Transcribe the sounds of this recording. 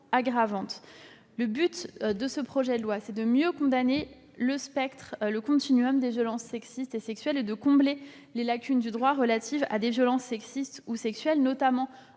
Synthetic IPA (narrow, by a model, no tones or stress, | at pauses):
aɡʁavɑ̃t̪ | ləbyt̪d̪əsəpχɔʒɛd̪əlwasɛd̪əmjøkɔ̃d̪ane | ləspɛkt̪χləkɔ̃t̪inyɔmd̪evjɔlɑ̃sːɛksist̪esɛksɥɛled̪əkɔ̃ble | lelakʲynd̪yd̪ʁwaʁəlat̪ʰiva̰d̪evjɔlɑ̃sːɛksist̪usɛksɥɛlnɔt̪amɑ̃